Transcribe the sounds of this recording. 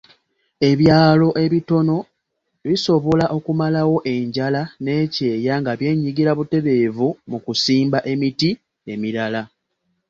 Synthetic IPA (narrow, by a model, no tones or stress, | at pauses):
e̞βjaːlo̞ʔe̞βito̞no̞ | βiso̞βo̞laʔo̞kumalawo̞ʔe̞ɲɟalane̞ːce̞ːjaŋɡaβje̞ːɲiɡiɾaβute̞βe̞ːvumukusiːmbaʔe̞miti | e̞miɾala